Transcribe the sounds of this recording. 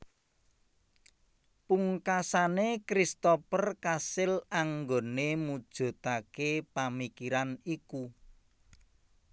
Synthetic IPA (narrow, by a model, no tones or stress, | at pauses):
puŋkasanekɾist̪ɔpərkasɪlaŋɡonemud̥ʒ̥o̤t̪akepamikiɾaniku